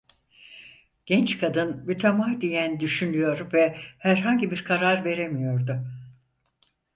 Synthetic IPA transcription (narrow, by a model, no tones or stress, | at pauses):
ɟ̥ɛnt͡ʃkʰad̪ɯnmyt̪ʰemad̪ijænd̪yʃynyjo̞ɾvɛhæɾɦaɲɟibiɾkʰaɾaɾve̞ɾemijo̞ɾd̪ʊ